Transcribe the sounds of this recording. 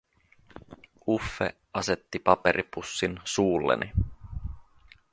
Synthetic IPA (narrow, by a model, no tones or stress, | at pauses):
ufːḛ | ɑse̞t̪ːipɑpeɾʔipusːinsuːlːḛnʔi